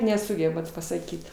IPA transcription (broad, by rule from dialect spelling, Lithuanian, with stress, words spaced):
nʲɛˈsʊɡʲɛbɐt pɐsɐˈkʲiːt